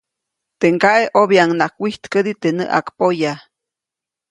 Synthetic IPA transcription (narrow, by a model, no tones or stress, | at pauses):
t̪eŋkaʔeʔoβiaŋnakʷwiht̪kəd̪it̪enə̰ʔa̰kpoja